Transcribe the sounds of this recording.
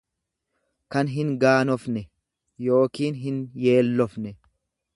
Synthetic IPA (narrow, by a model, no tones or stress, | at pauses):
kɐnɦɪŋɡaːnɔfnɛ | jo̞ːkiːnɦɪnje̞ːlːɔfnɛ